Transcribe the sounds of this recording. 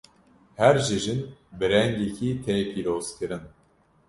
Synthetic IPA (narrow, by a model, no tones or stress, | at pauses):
hɛɾʒiʒɨnbɨɾɛŋɡekʰiːt̪ʰeːpʰiːɾoːzkʰɨɾɨn